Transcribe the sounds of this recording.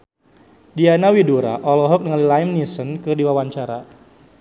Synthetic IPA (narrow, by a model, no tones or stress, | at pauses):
dianawiduɾa̰ʔɔlɔɦɔk̚nəŋalilaimnisɔnkɨrdiwawaɲt͡ʃaɾa